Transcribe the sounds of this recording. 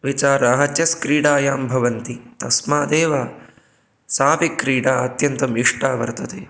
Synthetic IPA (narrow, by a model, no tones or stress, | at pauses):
ʋit͡ʃaːɾɐɐɦɐt̪jɐskɾiːɽaːjaːmbʱɐʋɐnt̪it̪ɐsmaːd̪eːʋa | saːpikːɾiːɽaːɐt̪jɐnt̪ɐmiʂʈaːʋɐ̰ɾt̪ɐt̪e